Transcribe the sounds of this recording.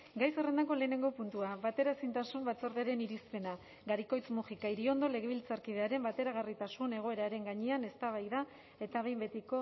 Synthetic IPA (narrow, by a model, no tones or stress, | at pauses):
ɡajso̞re̞nd̪ako̞le̞ːne̞ŋɡo̞punt̪uaβat̪e̞ɾaesint̪asumbat͡soɾðeaɾe̞niɾispe̞na | ɡaɾiko̞jt͡smuʝikaiɾio̞nd̪o̞le̞ɣ̞e̞β̞ilt͡saɾkið̞e̞aɾe̞mbat̪e̞ɾaɣ̞arit̪asune̞ɣ̞o̞e̞ɾaɾe̞ŋɡaɲeane̞st̪aβajða | e̞t̪aβ̞e̞jmbe̞t̪iko̞